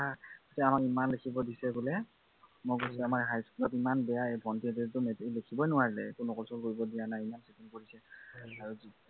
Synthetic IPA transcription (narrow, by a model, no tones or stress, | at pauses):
aasɛamakimanlekʰibɔdisɛɡulɛ | mokosiamaɹɦajskɔtimanbɛjaebʱɔntiɛtedtʊmetilekʰibɔjnʊaɹilɛ̰kʊnɔkɔlsɔlkoɹibɔdijanajimansetiŋkoɹisɛaɹuzi